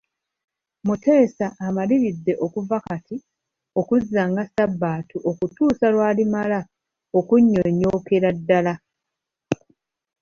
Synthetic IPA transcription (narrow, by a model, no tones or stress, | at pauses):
mute̞ːsaʔːmaliβidːe̞ʔo̞kuvakatʰi | o̞kuzːaŋɡasabːaːtuʔo̞kutuːsalwaːlimala | o̞kuɲːo̞ɲːo̞ːkeɾadːala